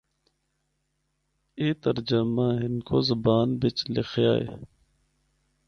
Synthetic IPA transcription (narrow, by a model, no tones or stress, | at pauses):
eːt̪əɾd͡ʒəmaːɦɪnkoːzɐbaːnbɪt͡ʃlɪxʰja̰ːḛ